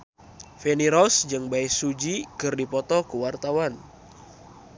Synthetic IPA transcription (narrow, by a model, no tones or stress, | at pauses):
feniɾɔsd͡ʒɨŋbaɪsud͡ʒikɨrdipɔt̪ɔkəwart̪awan